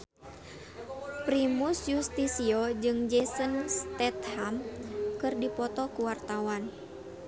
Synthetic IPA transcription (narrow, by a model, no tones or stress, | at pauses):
pɾimusjust̪isiɔd͡ʒɨŋd͡ʒɛsənst̪ɛt̪hamkɨrdipɔt̪ɔkuwart̪awan